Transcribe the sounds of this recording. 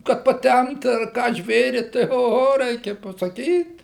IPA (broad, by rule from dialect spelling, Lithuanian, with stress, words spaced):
kɐt pɐˈtʲɛmpt ɐr ˈkɑː ˈʒʲʋʲeːrʲɪ tɐɪ oːˈɣoː ˈrʲɛɪkʲɛ pɐsɐˈkʲiːt